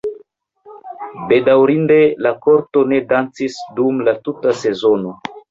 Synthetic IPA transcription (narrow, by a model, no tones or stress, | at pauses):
be̞dawɾinde̞lako̞ɾto̞ne̞dant͡sisdumlatutase̞zono̞